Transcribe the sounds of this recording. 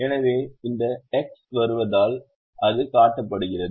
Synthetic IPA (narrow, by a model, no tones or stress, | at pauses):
ɛnɐʋeːɪnd̪ɐɛksʋɐɾɯʋɐðaːl | ʔɐðɯkaːʈːɐpːɐɽɯɣɪrɐð